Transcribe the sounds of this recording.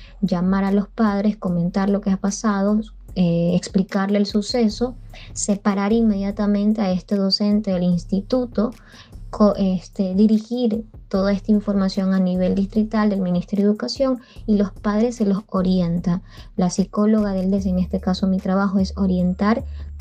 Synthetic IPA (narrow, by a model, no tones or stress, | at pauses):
d͡ʒamaɾalo̞spað̞ɾe̞sko̞mẽ̞nt̪aɾlo̞ke̞apasað̞o̞ | eːksplikaɾle̞ːlsuse̞so̞se̞paɾaɾinme̞ð̞jat̪amẽ̞nt̪e̞ae̞st̪e̞ðo̞se̞nt̪eðelinst̪it̪ut̪o̞ | kʰoʔest̪eðiɾixiɾt̪o̞ðae̞st̪aiɱfo̞ɾmasjo̞ŋaniβe̞ld̪ist̪ɾit̪ald̪e̞lmĩnist̪eɾjoðukasjo̞ŋ | ilo̞spað̞ɾe̞sːe̞lo̞so̞ɾje̞nt̪a | lasiko̞lo̞ɣaðeld̪es̬eŋe̞st̪e̞kaso̞mit̪ɾaβaxo̞e̞so̞ɾje̞nt̪aɾ